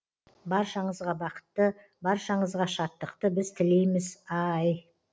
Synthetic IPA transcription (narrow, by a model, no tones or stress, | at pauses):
bɑɾʃɑɴəzʁɑbɑqə̥t̪ːə | bɑɾʃɑɴəzʁɑʃɑt̪ːəqt̪əbɪz̥t̪ʰɪle̞jmɪzɑj